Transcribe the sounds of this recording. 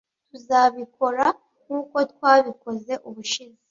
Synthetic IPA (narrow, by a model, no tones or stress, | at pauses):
tuzaβiko̞ɾa | ŋuːko̞t̚waːβiko̞ze̞ʔuβuʃizi